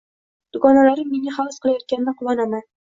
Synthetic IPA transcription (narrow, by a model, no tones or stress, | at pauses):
d̪̥ʊɡɒnalaɾɪmːeŋʲaχɒwsqɨlˠajɒt̪̚kʲanɪnaqʰʊlˠɒnaman